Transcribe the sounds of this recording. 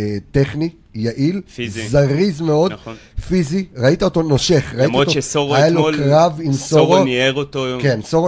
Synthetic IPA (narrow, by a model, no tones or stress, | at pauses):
t̪eχni | jaʔilzaʁizmeo̞d | fiziʁait̪aot̪onoʃeχʁaimaotooajalokʁavimsoʁoneʁot̪okensoʁo